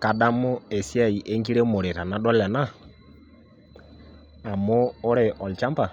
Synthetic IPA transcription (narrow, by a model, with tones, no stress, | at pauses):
ka˨da˦mo˦e˨sja˦˨i˨ʔe˦ŋɡi˦ɾe˦mo˨ɾe˨ɾa˨na˨dɔ˦lɛ˨na˦˨ | a˨moː˦ɾe˨ʔɔ˨lt͡ʃa˦mpa˨